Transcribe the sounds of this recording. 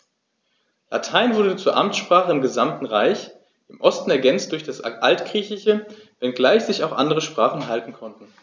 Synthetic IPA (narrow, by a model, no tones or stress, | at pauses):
la̰tʰaɪnvʊɐdət͡suːɐʔamt͡ssʃpʁ̥aːχəɪmɡəzamtn̩ʁaɪç | ʔɪmʔɔstn̩ɛɐɡɛnt͡st̚d̥ʊɐçd̥asʔaltɡ̥ʁ̥iːçlɪçəvɛnɡlaɪçz̥ɪçaʊxʔa̰ndəʁəʃpʁ̥aːχn̩ɦaltn̩kʰɔntn̩